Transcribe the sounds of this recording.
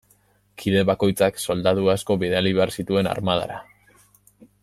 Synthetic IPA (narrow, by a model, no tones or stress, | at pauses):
kʰiðe̞βako̞jt͡sakso̞ld̪aðuasko̞βiðealiβeaɾsit̪ue̞na̰ɾmaða̰ɾa